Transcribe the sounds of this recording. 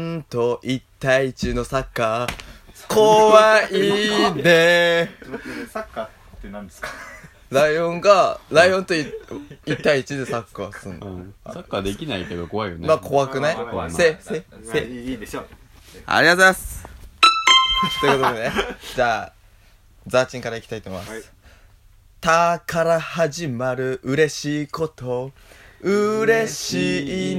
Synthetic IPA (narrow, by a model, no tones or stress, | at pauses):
nt̪o̞ʔit̪ːaiːt͡ɕɨːno̞sakːaː | kʰo̞βaid̪e | ɾaiõ̞ŋɡaɾaiõ̞nt̪o̞iit̪ːaiit͡ɕid̪e̞sakːasɨ̃nd̪sakːad̪e̞kʲinaiked̪oko̞βaijo̰nemakʰo̞βakɯ̟naiesese | a̰ɾʲiazeas | t̪okot̪ened͡ʑaː | d͡zaːt͡ɕĩŋkaɾaikʲt̪ait̪omimasɨ̥ | t̪akaɾahaʑimaɾɯ̟ʔɯ̟ɾe̞ɕiːko̞t̪o̞ | ɯ̟ɾe̞ɕiː